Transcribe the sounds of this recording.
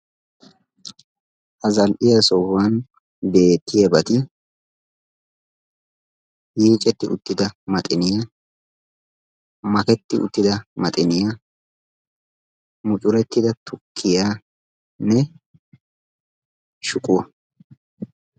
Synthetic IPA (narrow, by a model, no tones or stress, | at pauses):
ʔɐzɐlʔɪjɐsɔwan | be̞ːt̪ːɪjɐbɐt̪ɪ | jiːt͡ʃʼɛt̪ːɪʔʊ̰t̪ːɪd̪ɐmɐt̪ʼɪnɪja | mɐkɛt̪ːɪʊ̰t̪ːɪd̪ɐmɐt̪ʼɪnɪja | mʊt͡ʃʼʊɾɛt̪ːɪd̪ɐt̪ʰʊkʰːɪjaː | nɛ | ʃʊkʼʊwɐ